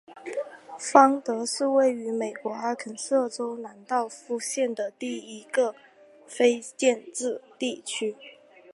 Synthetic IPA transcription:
fɑ˥ŋt̪ɤ˧˥ʂɻ̩˥˧we˥˩ɪy˧˥me˨˩ɪkwɔ˧˥a˧˥kʰə˨˩nsɤ˥˩ʈ͡ʂo˥ʊna˧˥nt̪ɑ˥˧ʊfu˥˧ɕjɛ˥˩nd̪ə˩t̪i˥˩i˧˥ɡə˧ | fe˥ɪt͡ɕjɛ˥˧nʈ͡ʂɻ̩˥˧t̪i˥˩t͡ɕʰy˥

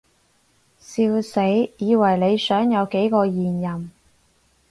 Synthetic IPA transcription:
siː˧wse˨˥jjiː˨˧wɐ˨˩jle˨˧jsœː˨˥ŋjɐ˨˧wke˨˥jkɔː˧jiː˨˩njɐ˨˩m

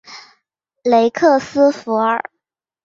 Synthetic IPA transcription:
le˧˥ɪkʰɤ˥˩sɹ̩˥fu˧˥ə̰˞˨˩˦

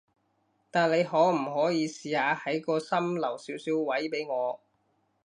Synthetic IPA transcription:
t̪aː˨nle˨˧jhɔː˨˥m̩˨˩ɦɔː˨˥jiː˨˧siː˨haː˨˧hɐ˨˥jkɔː˧sɐ˥mlɐ˨˩wsiː˨˥wsiː˨˥wwɐ˨˥jpe˨˥jŋɔː˨˧

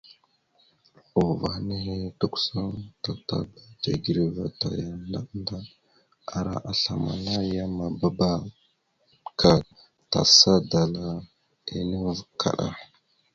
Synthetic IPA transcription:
u˨va˨xni˦ɦe˦du˦ksa˦nta˨ta˨ba˦ta˨ɡi˨ɾi˨va˨ta˨ja˨nda˦nda˦ | a˨ɾa̰˦ʔa˨ɬa˨ma̰˨na˦ja˦ma˨ba˦ba˦ | kʰa˨ | ta̰˨sa˦da˨la˦ | i˨ni˦vkʰa̰˨ɗa̰˨

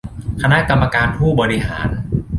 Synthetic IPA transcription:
kʰa˧na˦˥ka˧mːa˧kaː˧npʰuː˥˩bɔː˧ɾi˦ɦa̰ː˩˦n

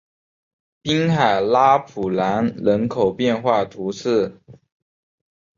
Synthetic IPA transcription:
pi˥ŋxa˨˩ɪla˥pʰu˨˩la˧˥nɻə˧˥nkʰo˨˩ʊpjɛ˥˧nxwa˥˩t̪ʰu˧˥sʰɹ̩˥˩

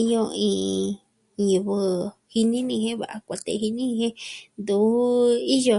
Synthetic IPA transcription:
i˦jo˧ĩː˧ | jɨ˨βɨ˧hi˧nĩ˦nĩ˧hẽ˦βa̰˨ʔa˧kʷa˧t̪ḛ˧hi˧nĩ˦nĩ˧hẽ˦nd̪u˨˦i˦jo˧

